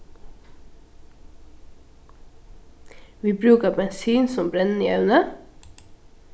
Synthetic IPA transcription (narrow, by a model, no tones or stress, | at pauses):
ʋiːbɾʉːkəbɛnsyːnsɔmbɾɛnn̩iːɑʉnə